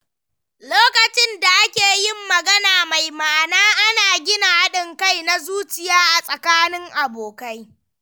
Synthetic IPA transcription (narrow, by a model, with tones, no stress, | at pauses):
loː˦kɐ˨t͡ʃɪ˦nda˨ʔa˦kʲeː˨jɪ˦mːɐ˨ɡɐ˦naː˨ma˨jmaː˨naː˦ʔa˦naː˨ɡʲɪ˦na˨ha˦ɗɪ˨ŋka˦˨jna˦zuː˦t͡ʃɪ˨jaː˦ʔa˨sʼɐ˨kaː˦nɪ˦ŋʔa˨boː˨ka˦j